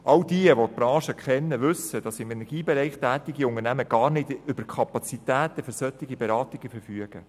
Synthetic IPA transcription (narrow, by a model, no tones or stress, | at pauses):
ʔɑld̥iəʋot̚b̥ɾɑ̃ːʃəkʰχɛnːəʋʏsəd̥ɑsɪmɛnɛɾɡiːbɛɾɛɪχtæːtɪɡiʊnəɾnæməɡ̥ɑːɾnɪdʏb̥əɾkʰɑpɑt͡sitæːt̪əfʏɾsœt̪ɪɡibɛɾɑːtɪɡ̥əfəɾfyəɡ̥ə